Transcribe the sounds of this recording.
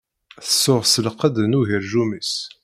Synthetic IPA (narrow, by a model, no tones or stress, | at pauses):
θəsːʊʁsəlqəd̪ənuɦiɾʒuməs